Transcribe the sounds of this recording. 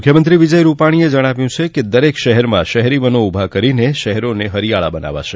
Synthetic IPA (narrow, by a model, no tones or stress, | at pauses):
mʊkʰjəmənt̪ɾiʋid͡ʒəjɾupaɽ̃ied͡ʒəɽ̃aʋjũt͡ʃʰeked̪əɾekʃəɦɛɾmã̰ʃəɦɛɾiʋənoubʱakəɾineʃəɦɛɾoneɦəɾijaɭa̰bəna̰ʋa̰ʃʰe